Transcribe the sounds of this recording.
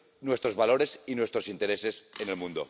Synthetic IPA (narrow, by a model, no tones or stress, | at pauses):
nwe̞st̪ɾo̞zβalo̞ɾe̞sinwe̞st̪ɾosint̪eɾese̞sene̞lmũnd̪o̰